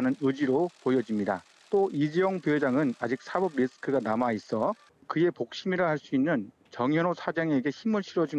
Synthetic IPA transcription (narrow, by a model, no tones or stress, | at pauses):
nɯnɯd͡ʑiɾopojʌd͡ʑimɲida̰ | t͈oid͡ʑijʌŋpjoɦed͡ʑaŋɯnad͡ʑik̚sʰabʌb̚ɾisʰɯ̥kʰɯɡanamais͈ʌ | kɯe̞pok̚ɕ͈imiɾahaɭs͈uinːɯn | t͡ɕʌŋjʌnosʰad͡ʑaŋe̞ɡe̞çimɯɭɕʰiɾʌd͡ʑin